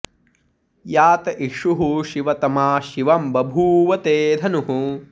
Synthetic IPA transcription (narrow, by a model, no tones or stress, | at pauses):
jaːt̪ɐʔiʂuɦuʃiʋɐt̪ɐmaːʃiʋɐmbɐbʱuːʋɐt̪eːd̪ʱɐnuɦu